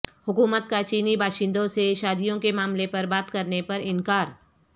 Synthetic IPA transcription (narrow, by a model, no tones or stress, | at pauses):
hʊkuːmət̪̚kat͡ʃiːnibaːʃɪ̃nd̪õseʃaːd̪ijõkemaːmlepɐɾbaːt̪kɐɾnepɐɾɪ̃nkaːɾ